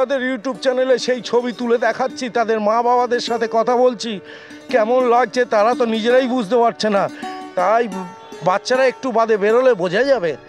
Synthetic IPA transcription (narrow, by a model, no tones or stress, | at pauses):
ad̪eɾjuʈjub̚t͡ɕɛneleʃejt͡ɕʰobit̪uled̪ɛkʰatːɕʰit̪ad̪eɾmãbabad̪eɾʃat̪ʰekɔt̪ʰabolt͡ɕʰi | kɛmonlaɡ̚t͡ɕet̪aɾat̪onid͡ʑeɾajbud͡ʑʱd̪epaʈ̚t͡ɕʰenat̪aj | batːɕʰaɾaek̚ʈubad̪ebeɾolebod͡ʑʱajd͡ʑabe